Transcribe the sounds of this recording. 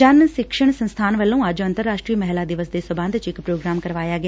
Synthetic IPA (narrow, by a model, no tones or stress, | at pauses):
d͡ʒənsɪkʃəɳ̃sənst̪ʰaːnʋəlːũːad͡ʒoːənt̪əɾːaːʃʈɾiːməɦlaːd̪ɪʋəsd̪eːsəbãnd̪t͡ʃɪkpɾoːɡɾaːmkəɾʋaːjaːɡɪ